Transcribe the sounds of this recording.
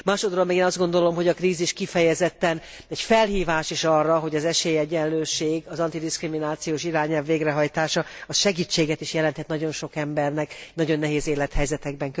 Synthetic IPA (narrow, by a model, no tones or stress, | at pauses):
maːʃod̪ɾolmɛɡiːnɒzd̪ɡo̞nd̪o̞lo̞mɦo̞ɟɒkriːziʃkifɛjɛzɛt̪ːɛn | ɛɟfɛlhiːvaːʃiʃɒrːɒɦo̞ɟɒzɛʃeːjɛɟːɛnløːʃeːɡɒzɒnt̪id̪iskriminaːt̪sijoːʃiɾaːɲɛlvːeːɡrɛɦɒjt̪aːʃɒɒʃɛɡiːt͡ʃːeːɡɛt̪iʃjɛlɛnt̪hɛt̪nɒɟo̞nʃo̞kɛmbɛrnɛknɒɟo̞nːɛɦeːzeːlɛt̪hɛjzɛt̪ɛɡ̚bɛŋk